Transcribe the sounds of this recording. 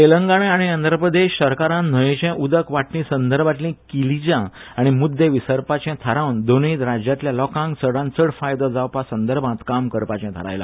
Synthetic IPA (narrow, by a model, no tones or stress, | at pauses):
t̪eləŋɡaɽ̃ẽaɽ̃iənd̪ɾəpɾəd̪eɕsəɾkaɾãn̤əjẽt͡ɕɛ̃ʔud̪əkʋaʈnĩsənd̪əɾbʱat̪lĩːkilid͡ʑã | aɽ̃imud̪ʱːeʋisəɾpat͡ɕɛ̃t̪ʰəɾãʋnd̪onĩːt̪ɾad͡ʑjat̪ljalɔkãŋɡsəɽãnt͡səɽfajd̪ɔd͡zawpasənd̪əɾbʱãt̪kamkəɾpat͡ɕɛ̃t̪ʰə̰ɾa̰jlã̰